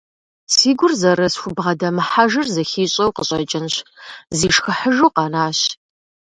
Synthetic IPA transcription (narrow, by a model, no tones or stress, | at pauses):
siːɡʷʊrzɐɾɐsxʷʊbʁɐdɐmɨħaʒɨrzɐxiːɕʼɐwqəɕʼɐt͡ʃʼɪnɕziːʂxəħəʒuːqɑnaːɕ